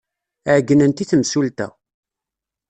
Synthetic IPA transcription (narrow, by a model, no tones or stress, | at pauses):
əʕɡːənənt̪iθəmsult̪æ̰